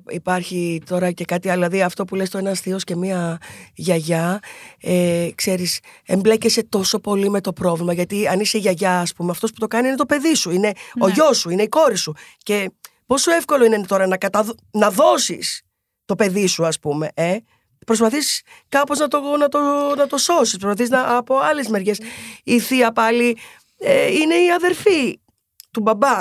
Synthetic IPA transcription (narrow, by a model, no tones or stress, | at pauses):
ipɐɾçit̪o̞ɾɐce̞kɐt̪iɐðilɐðiɐft̪o̞pulest̪o̞e̞nɐsθio̞sce̞miɐʝɐʝɐ | ekse̞ɾisemble̞cese̞t̪o̞so̞po̞lime̞t̪o̞pɾo̞vlimɐʝɐt̪iɐniseiʝɐʝɐːspumeɐft̪o̞spu̥t̪o̞kɐniine̞t̪o̞pe̞ðisuine̞o̞ʝo̞suine̞iko̞ɾisuce̞ | po̞soefko̞lo̞inet̪o̞ɾɐnɐkɐt̪ɐ | nɐðo̞sḭs | t̪o̞pe̞ðisuɐspume̞ʔe | pɾo̞spɐθis | kɐpoznɐt̪o̞nɐt̪onɐt̪o̞so̞sispɾospɐθiznɐɐpo̞ɐle̞zme̞ɾʝe̞siθiɐpɐli | eine̞iɐðe̞ɾfi | t̪ubɐbɐ